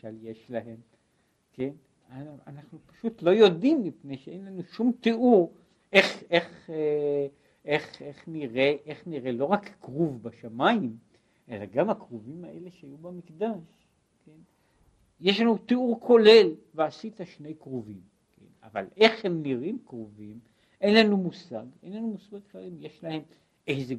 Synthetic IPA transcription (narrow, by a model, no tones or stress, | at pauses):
aljeʃlaɦe̞m | ke̞n | aanaχnupḁʃutlo̞jo̞d̪imːipnejʃee̞nlanuʃumt̪eʔuʁ | ʔe̞χe̞χe | eχeχniʁeʔeχniʁe̞lo̞ʁakkʁuvbaʃamaim | ʔe̞laɡamakʁuvimaʔe̞leʃeajubamikd̪aʃ | kʰen | jeʃlanut̪euʁkʰo̞le̞lveasit̪aʃne̞jkʁovim | kʰḛna̰va̰le̞χhe̞mniʁimkʁovim | ʔe̞nlanumusaɡḛjnlanumusɡaɡχalimjeʃlahe̞m | ʔejze